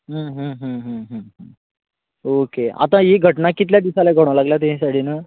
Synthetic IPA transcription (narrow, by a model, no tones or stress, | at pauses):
ɦəɦəːɦəɦəɦə̃ɦə | okea̰t̪ãɦiɡʱəʈnakit̪̬ljad̪isalaɡʱəɽ̃ʋlaɡljat̪eĩsaʈʰiːnə